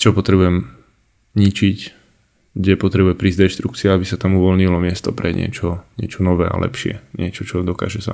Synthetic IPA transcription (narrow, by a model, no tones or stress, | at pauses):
t͡ʃɔpɔt̪ɾɛbujɛm | ɲit͡ʃic | ɡɟɛpɔt̪ɾɛbujɛmpɾiːzd̪ɛʃt̪ɾukt͡siaabisat̪amuʋɔlɲilɔmɪɛst̪ɔpɾɛɲɪɛ̰t͡ʃɔɲɪɛt͡ʃɔnɔʋɛːa̰lʔɛ̰pʃɪɛ̰ɲɪɛt͡ʃɔt͡ʃɔd̪ɔka̰ːʒɛsa